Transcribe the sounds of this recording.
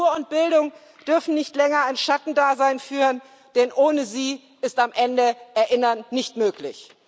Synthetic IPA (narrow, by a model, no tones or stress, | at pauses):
uːɐʊnt̚b̥ɪldʊŋ | d̥ʏɐfn̩nɪçtlɛŋɐaɪnʃatn̩daːzaɪnfyːʁən | d̥ɛnʔoːnəziː | ɪstamʔɛndəʔɛɐʔɪnɐnːɪçtmøːklɪ̰ç